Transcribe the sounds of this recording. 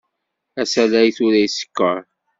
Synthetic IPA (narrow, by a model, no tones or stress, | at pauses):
æsælæjθʊɾæjisə̥kːəɾˤ